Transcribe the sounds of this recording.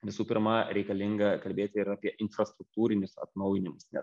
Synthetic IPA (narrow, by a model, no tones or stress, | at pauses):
ʋʲɪsuːpʲɪɾmɐɾʲɛɪkɐlʲɪŋɡɐkɐlʲbʲeːt̪ʲɪɪɾɑːpʲiɛʔɪnfɾɐst̪ɾʊkt̪uːɾʲɪnʲʊsɐ̰t̪nɐʊjɪnʲɪmʊsnʲɛ̰